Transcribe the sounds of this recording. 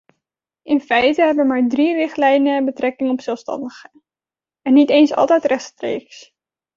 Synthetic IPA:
ʔɪnfɛjtəɦɛbəmaːɹdrirɪχtlɛjnəbətrɛkɪŋəɔpsɛlˠfstɑ̰ndəχə | ɛnːitejnsɑ̰lˠtɛjtrɛχtstrḛjks

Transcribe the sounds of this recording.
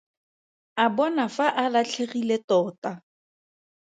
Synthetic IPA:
abɔnafaʔalat͡ɬʰeχiletɔːta

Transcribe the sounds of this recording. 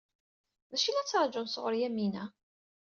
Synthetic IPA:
ðæʃilæt͡sːɑɾˤd͡ʒəmsʁʊɾjæmːinæ

